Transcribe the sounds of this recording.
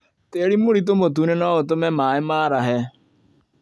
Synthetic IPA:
teɾimoɾit̬omot̬unenaotomɛmaːemaɾaɦɛ

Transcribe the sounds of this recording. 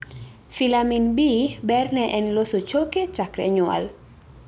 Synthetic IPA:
filaminbibɛrnɛʔɛnlosot͡ʃoket͡ʃakɾɛ̰ɲʊa̰l

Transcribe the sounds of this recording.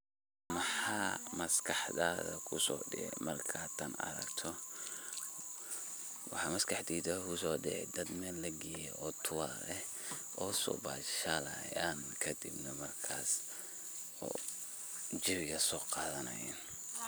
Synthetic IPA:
mɐħɑːmɐskʰɑħðaːðɐkʰʊsɔ̰ːɖɪɛmɐrkʰaːt̪ʰɐnɐ̰ɾɐ̰ɡt̪ʰɔ | wɑħɑmɐskʰɑħd̪iːd̪ɐkʰʊsɔːɖɪ̰ɛ̰jd̪ɐd̪mɛːlːɐɡɛjɛ̰ʔɔːt̪ʰʊwaɾɛh | ʔɔːsɔ̰ːba̰ːʃɐlɐ̰jaːnkʰɐd̪ibnɐmɐrkʰaːs | ɔ̰ː | d͡ʒɪɾjɐsɔːqɑːðɐnɐ̰jɛ̰ːn

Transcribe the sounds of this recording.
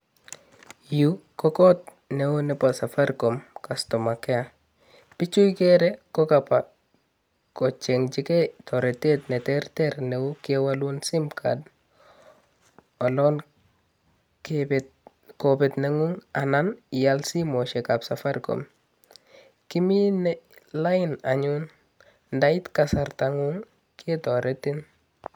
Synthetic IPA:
jukɔkɔt̚ | neunɛpasafaɾkomkastomakɛa | pit͡ʃujkeɾɛkɔkapa | kɔt͡ʃeŋd͡ʒikɛtʰɔɾɛtetnɛtɛɾtɛɾneukiewalunsimkʰa̰d | olɔn | k | kobɛtneŋuŋananijalsimoʃekabsafaɾko̰m | kiminɛlainaɲun | ndaitkasaɾtaŋuŋ | kʰetɔɾʔetin

